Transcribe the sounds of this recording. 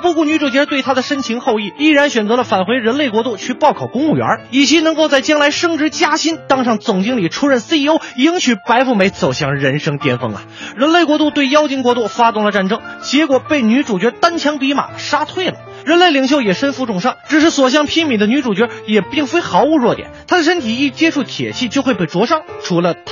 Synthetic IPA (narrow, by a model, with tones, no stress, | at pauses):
pu˥˧ku˥˩ny˧˥ʈ͡ʂu˨˩t͡ɕɥɛ˧˥t̪we˥˩ɪt̪ʰa˥d̪ə˨ʂə˥nt͡ɕʰi˧˥ŋxo˥˧ʊi˥˩i˥˩ɻa˧˥nɕɥɛ˨˩nt͡sɤ˧˥lə˧fa˨˩nxwe˧˥ɪɻə˧˥nle˥˩ɪkwɔ˧˥t̪u˥˩t͡ɕʰy˥˧pɑ˥˧ʊkʰɑ˨˩ʊkʊ˥ŋu˥˩ɥɛ̰˧˥i˨˩t͡ɕʰi˧˥nɤ˧˥ŋko˥˧ʊt͡sa˥˩ɪt͡ɕjɑ˥ŋla˧˥ɪʂɤ˥ŋʈ͡ʂɻ̩˧˥t͡ɕja˥ɕi˥nt̪ɑ˥ŋʂɑ˥˩ŋt͡sʊ˨˩ŋt͡ɕi˥ŋli˨˩ʈ͡ʂʰu˥ɻə˥˩ns̩˥i˥o˥ʊi˥ŋɕʰy˨˩pa˧˥ɪfu˥˩me˧˥ɪt͡so˨˩ʊɕjɑ˥˩ŋɻə˧˥nʂɤ˥ŋt̪jɛ˥˧nfɤ̰˥˩ŋɐ̰˨ɻə˧˥nle˥˩ɪkwɔ˧˥t̪u˥˧t̪we˥˩ɪjɑ˥ʊt͡ɕi˥ŋkwɔ˧˥t̪u˥˩fa˥t̪ʊ˥˩ŋlə˩ʈ͡ʂa˥˩nʈ͡ʂɤ˥ŋt͡ɕjɛ˧˥kwɔ˨˩pe˥˩ɪny˧˥ʈ͡ʂu˨˩t͡ɕɥɛ˧˥t̪a˥nt͡ɕʰjɑ˧˥ŋpi˧˥ma̰˨˩ʂa˥t̪ʰwe˥˩ɪlə̰˩ | ɻə˧˥nle˥˩ɪli˧˩ŋɕ̬jo˥˩ʊjɛ˨˩ʂə˥nfu˧˥ʈ͡ʂʊ˨˩ŋʂɑ˥˩ŋʈ͡ʂɻ̩˨˩ʂɻ̩˥˩swɔ˨˩ɕ̬jɑ˥˧ŋpʰi˥nmi˨˩nd̪ə˧ny˧˥ʈ͡ʂu˨˩t͡ɕɥɛ˧˥jɛ˨˩pi˥˩ŋfe˥ɪxɑ˧˥ʊu˧˥ɻwɔ˥˩t̪jɛ̰˨˦nt̪ʰa˥d̪ə˨ʂə˥nt̪ʰi˨˩i˥˩t͡ɕjɛ˥ʈ͡ʂʰu˥˩t̪ʰjɛ̰˨˩t͡ɕʰi˥˧t͡ɕjo˥˧ʊxwe˥˧pe˥˩ɪʈ͡ʂwɔ˧˥ʂɑ˥ŋʈ͡ʂʰu˧˥lə˧t̪ʰ